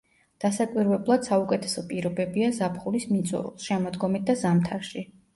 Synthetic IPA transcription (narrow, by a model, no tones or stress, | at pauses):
d̪̥asakʼwiɾvɛblˠad̪̥saukʼɛt̪ʰɛ̥sɔpʼiɾɔbɛbiazapʰχulismit̪sʼɔ̰ɾ̰ˠʃɛmɔd̪ɡɔmit̪̚d̪azamt̪ʰaɾʃi